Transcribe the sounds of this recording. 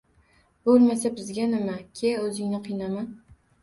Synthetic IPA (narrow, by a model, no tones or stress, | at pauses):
b̥olˠmasabɪzɡʲanɪmakʲʰeɵzɪŋnɪqʰɨjnaman